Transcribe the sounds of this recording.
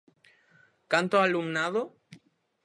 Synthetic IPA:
kant̪oalumnaðo

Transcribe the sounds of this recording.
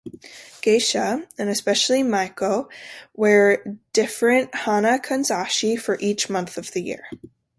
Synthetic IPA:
ɡ̥eɪʃəɨ̃nɨspɛʃl̩ˠimaɪkowə˞d̥ɪfɹɨ̃nʔhɑnəkʰɨ̃nzɑʃifə˞ʔit͡ʃmʌ̃nθʌvðɨjɪ̰ɹ

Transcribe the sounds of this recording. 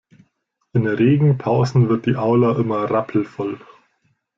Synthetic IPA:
ʔɪnʁeːɡŋ̩pʰaʊzn̩vɪɐt̚d̥iːʔaʊlaʔɪmɐʁapʰl̩fɔl

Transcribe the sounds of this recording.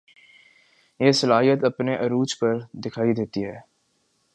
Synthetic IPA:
jeːsɐlaːɦijət̪ɐpneʔɐɾuːt͡ʃpɐɾd̪ɪkʰaːid̪eːt̪iɦɛː

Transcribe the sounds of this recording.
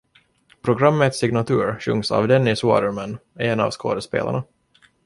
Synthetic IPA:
pʰɾʊɡɾamːət̪sɪɡnat̪ʰʉ̟ːɾɕɵ̰ŋsa̰vd̪ɛnːɪsɑ̰ːd̪əɾmanːɛnɑ̰vsko̰ːd̪əspḛːla̰ɳa

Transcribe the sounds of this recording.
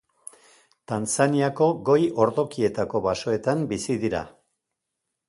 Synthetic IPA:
t̪ant͡saniako̞ɣo̞jo̞ɾðo̞kie̞t̪ako̞βaso̞e̞t̪ambisiðiɾa̰

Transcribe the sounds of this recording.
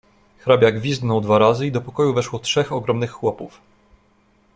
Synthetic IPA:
xɾabʲjaɡvʲizɡ̪nɔwd̪vaɾazɘid̪ɔpɔkɔjuvɛʂwɔtʂɛxɔɡɾɔmnɘxːwɔpuf

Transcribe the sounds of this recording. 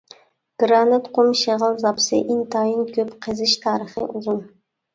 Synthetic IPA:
ɡ̥ɾɑnɨt̪qʰʊmʃeʁəlˠzɑpsɪ̰ʔɪnt̪ʰɑjinkʲʰøpqʰəzɪʃt̪ʰɑːɾəχɨ̰ʔuzun

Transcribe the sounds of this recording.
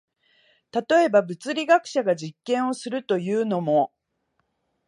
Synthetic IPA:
t̪at̪o̞e̞babɯ̟t͡sɨɾʲiɡakɯ̟̥ɕaɡaʑikːẽ̞ɰ̃o̞sɨɾɯ̟t̪o̞jɯ̟ːno̞mo̞

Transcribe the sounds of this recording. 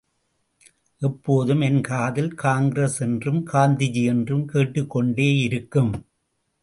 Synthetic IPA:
ʔɛpːoːðɯmɛnkaːðɪlkaːŋɡɪɾesɛndrɯmkaːnd̪ɪd͡ʒiɛndrɯmkeːʈːɯkːɔɳɖeːɪɾɯkːɯm

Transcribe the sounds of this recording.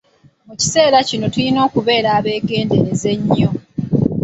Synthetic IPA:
muci̥se̞ːɾacino̞tulino̞ːkuβe̞ːɾaːβe̞ːɡe̞ːnde̞neze̞ɲːo̞

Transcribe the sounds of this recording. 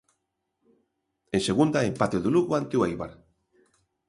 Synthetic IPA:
enseɣund̪aempat̪eðuluɣoant̪euajβaɾ

